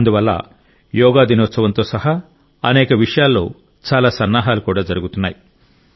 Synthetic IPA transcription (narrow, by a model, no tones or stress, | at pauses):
ɐnd̪uʋɐlːa̰ | jɔːɡaːd̪inɔːt̪sɐʋɐnt̪o̞ːsɐɦa | ɐnɛːkɐʋiʂɐjaːlːo̞̰ː | t͡ʃaːlaːsɐnːaːɦaːlukuːɽaːd͡ʒɐɾuɡut̪unːaːji